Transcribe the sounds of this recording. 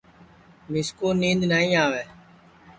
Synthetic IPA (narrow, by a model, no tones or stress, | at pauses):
mɪskoːnĩːnd̪naːĩːaːʋeː